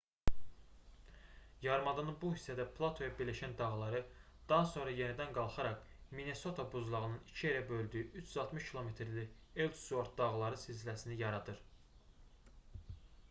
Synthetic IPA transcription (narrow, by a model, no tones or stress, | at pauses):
jɑɾmɑd̪ɑnɯbuhisːæd̪æpʰlˠɑt̪ʰo̞jɑbiɾlæʃænd̪ɑɣlˠɑɾɯ | d̪̥ɑɦɑso̞nɾɑje̞nid̪ænɡɑlˠχɑɾɑχ | mine̞so̞t̪ʰabuzlˠɑʁɯnɯnit͡ʃʰie̞ɾæbø̞lʲˠd̪yjyʔyt͡ʃʰyzɑlˠt̪miʃkʰilˠo̞me̞t̪ʰɾli | elt̪suoɾt̪̚d̪ɑɣlˠɑɾɯsizlæsinijɑɾɑd̪ɯɾ